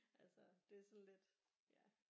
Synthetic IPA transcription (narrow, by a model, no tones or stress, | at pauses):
ʔælsɒd̥e̝æɐsɒ̽nle̝d̥ | jæ